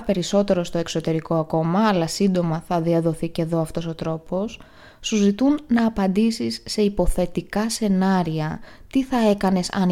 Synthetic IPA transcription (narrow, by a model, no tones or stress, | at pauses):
pe̞ɾiso̞t̪e̞ɾo̞st̪o̞ekso̞t̪e̞ɾiko̞ɐko̞mɐːlɐsind̪o̞mɐθɐðiɐðo̞θiceðo̞ɐft̪o̞so̞t̪ɾo̞po̞sː | uzit̪unːɐːpɐnd̪isisːe̞ipo̞θe̞t̪ikɐse̞nɐɾiɐt̪iθɐe̞kɐne̞sɐ̰n